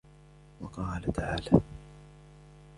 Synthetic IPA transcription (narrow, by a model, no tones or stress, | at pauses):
wɑqɑːlat̪aʕaːlaː